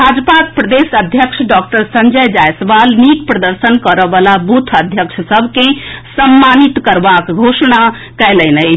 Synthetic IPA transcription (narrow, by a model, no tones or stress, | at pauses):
bʱad͡ʒpakpɾəd̪esəd̪ʱjəksʰɖɔk̚ʈəɾsənd͡ʒəjd͡ʒajsbalnikpɾəd̪əɾsənkəɾəbalabut̪ʰəd̪ʱjəkʂʰsəbʱkẽsəmːanit̪kəɾbakɡʱosɽa | kɛlənəjʰ